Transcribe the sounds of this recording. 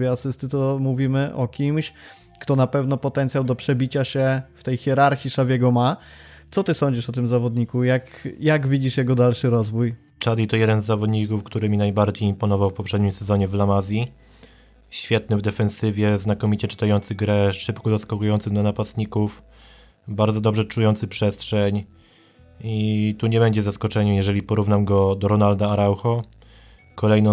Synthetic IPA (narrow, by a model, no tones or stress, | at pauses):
vʲjɛasɘst̪ɘt̪ɔmuvʲimɘʔɔkʲimɕ | kt̪ɔnapɛvnɔpɔt̪ɛnt̪sʲjawd̪ɔpʂɛbʲit͡ɕaɕɛft̪ɛjxʲjɛɾaɾxʲiʂavʲjɛɡɔma | t̪sɔt̪ɘsɔɲd͡ʑiʂɔt̪ɘmzavɔd̪ɲikujakjaɡvʲid͡ʑiʂjɛɡɔd̪alʂɘɾɔzvuj | t͡ʂad̪ʲit̪ɔjɛd̪ɛnzːavɔd̪ɲikufkt̪uɾɘmʲinajbaɾd͡ʑejimpɔnɔvawfpɔpʂɛd̪ɲimsɛzɔɲɛvlamazʲji | ɕfʲjɛt̪nɘvd̪ɛfɛnsɘvʲjɛznakɔmʲit͡ɕɛt͡ʂɘ̥t̪ajɔnt̪sɘɣɡɾɛʂɘpkɔzaskɔkujɔnt̪sɘɣd̪anapast̪ɲikuf | baɾd̪zɔd̪ɔbʐɛt͡ʂujɔnt̪sɘpʂɛstʂɛɲ | it̪uɲɛbɛɲd͡ʑɛzaskɔt͡ʂɛɲɛjɛʐɛlʲipɔɾuvnamɡɔd̪ɔɾɔnald̪aːɾawxɔ | kɔlɛjnɔ